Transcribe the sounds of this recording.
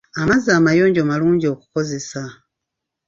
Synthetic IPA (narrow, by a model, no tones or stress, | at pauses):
amazaːmajo̞ːɲɟo̞ːmaluːɲɟio̞ːku̥ko̞ze̞sa